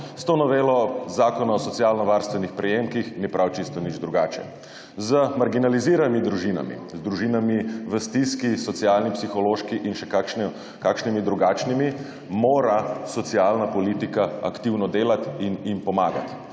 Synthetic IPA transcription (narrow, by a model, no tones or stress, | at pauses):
st̪onɔʋeːlɔzaːkɔnaɔsɔt̪sialnɔʋaɾst̪ʋɛnixpɾɛjemkixnipɾʔawt͡ʃist̪ɔnid͡ʒd̪ɾuɡaːt͡ʃɛ̰ | zəmaɾɡinaliziːɾamid̪ɾuʒiːna̰mḭzd̪ɾuʒinamiʋəst̪iskisɔt̪siaːlnipsixɔloːʃkiʔinʃɛkaʃ | kaːkʃnimid̪ɾuɡaːt͡ʃnimi | moːɾasɔt̪siaːlnapɔliːt̪ikaa̰kt̪iwnɔd̪eːlat̪injimpɔmaːɡa̰t̪